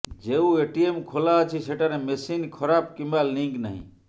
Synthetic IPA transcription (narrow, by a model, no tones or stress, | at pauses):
d͡ʒeueʈiemkʰolaət͡ʃʰiseʈaɾemesinkʰɔɾab̚kimalːĩŋɡnə̰ɦḭ̃